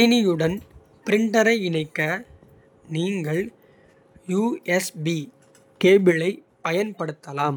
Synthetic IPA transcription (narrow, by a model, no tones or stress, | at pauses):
ɪnɪjɯɽɐn | pɪɾɪɳɖɐɾɐɪɪnɐɪkːɐ | niːŋɡɐɭ | juːɛsbi | keːbɪlɐɪ | pɐjɐnpɐɽɯt̪ːɐlaːm